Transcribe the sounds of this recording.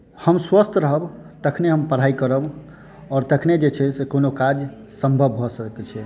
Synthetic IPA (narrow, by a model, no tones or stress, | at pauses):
həmswəst̪ʰɾəɦəbt̪əkʰneɦəmpəɾ̤aikəɾəb | ɔːɾt̪əkʰned͡ʒet͡ʃʰɛsekonokad͡ʒ | səmbʱəbːʱɔsəkɛt͡ʃʰɛ